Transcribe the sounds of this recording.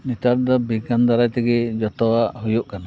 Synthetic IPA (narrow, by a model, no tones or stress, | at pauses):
nit̪aɾd̪ɔbiɡand̪aɾajt̪ɛɡɛd͡ʒɔt̪ɔwaʔhujɔʔkana